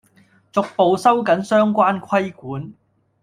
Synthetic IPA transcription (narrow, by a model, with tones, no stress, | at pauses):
t͡sʊ˨k̚po˨wsɐ˥wkɐ˨˥nsœː˥ŋkʷaː˥nkʷʰɐ˥jkuː˨˥n